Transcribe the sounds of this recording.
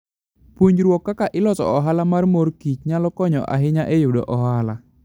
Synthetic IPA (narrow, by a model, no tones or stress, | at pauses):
puɲd͡ʒɾuɔkakaʔilɔsɔ̰ʔɔɦalamarmɔrkit͡ʃ̚ɲalɔkɔɲɔ̰ʔa̰ɦiɲaʔejudɔ̰ʔɔɦala